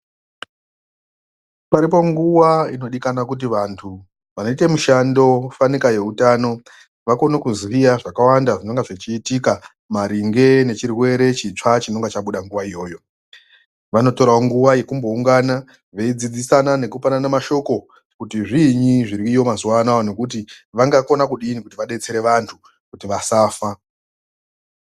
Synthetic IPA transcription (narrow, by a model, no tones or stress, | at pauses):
paɾipo̞ŋɡuwaino̞ɗikanakut̬iʋantʰu | ʋano̞itemuʃando̞fanikaje̞utano̞ | ʋako̞nokuzwijaʐakawandaʐino̞ŋɡeʐit͡ʃiːtika | maɾiŋɡe̞ne̞t͡ʃirwe̞ɾe̞t͡ʃit͡ʂat͡ʃino̞ŋɡet͡ʃaɓuɗaŋɡuʋaijo̞ːjo̞ | ʋano̞to̞ɾaoŋɡuʋaje̞kumbo̞uŋɡana | ʋe̞id͡zid͡zisanane̞kupananamaʃo̞ko̞ | kutiʐiɲiʐiɾikijo̞mazuwanaonokut̬iʋaŋɡako̞nakuɗinikutiʋaɗe̞t͡se̞ɾe̞ʋantʰu | kutiʋasaːfa